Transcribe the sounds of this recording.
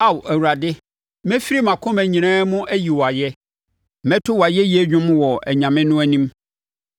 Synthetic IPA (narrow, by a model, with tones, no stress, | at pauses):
a˦˨wæ˨wu˨ɾa˨dɪ˦ | mɛ̃˦fi˦ɾi˦mã˨kʰʊ̃˦mæ̃˨ɲĩ˨nãː˦mʊ̃˦ʔæ˦ji˨wɔ˨a˨jɛ˦˨ | mɛ̃˦tʰʊ˦wa˨jɛ˦ji˨˦ɛ˦ɲᶣʊ̃˦mwɔ˨æ̰˨ɲã˨mɪ̃˦nʊ̃˦æ˦nĩ˦m